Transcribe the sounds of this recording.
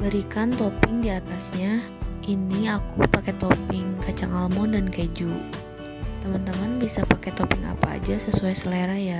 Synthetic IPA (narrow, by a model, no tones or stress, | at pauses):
bəɾikant̪ɔpɪŋdiat̪asɲa | ʔiniakupakɛt̪ɔpɪŋkat͡ʃaŋalmɔndankaid͡ʒu | t̪əmant̪əmanbisapakɛt̪ɔpɪŋa̰pa̰ːd͡ʒasəsuajsəlaɾaja